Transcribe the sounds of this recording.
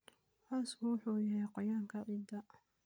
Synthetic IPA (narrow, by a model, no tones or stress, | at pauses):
ʔaːskʰʊwʊħuːjɐɦɛjqɔjaːŋkʰɐʕiːd̪ɐ